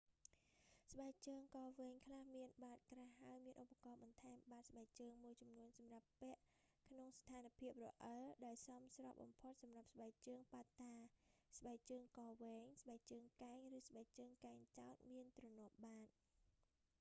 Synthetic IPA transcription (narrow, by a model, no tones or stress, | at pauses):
sɓaɛk̚t͡ɕəːŋkɑːʋɛːŋkʰlahmiənɓaːt̪̚kraɦːaəjmiənʔopːakɑːɓɑnt̪ʰaɛmɓaːt̪̚sɓaɛk̚t͡ɕəːŋmuəjt͡ɕumnuənsɑmrapːɛ̆əʔ | kʰnoŋst̪ʰaːnpʰiəp̚rɔ̰ʔəlɗaɛlsɑmsrɑp̚ɓɑ̰mpʰot̪̚sɑmrap̚sɓaɛk̚t͡ɕəːŋpat̪ːaːsɓaɛk̚t͡ɕəːŋkɑːʋɛːŋsɓaɛk̚t͡ɕəːŋkaɛŋrɨːsɓaɛk̚t͡ɕəːŋkaɛŋt͡ɕaɔt̪̚miənt̪rɑnŭəp̚ɓaːt̪̚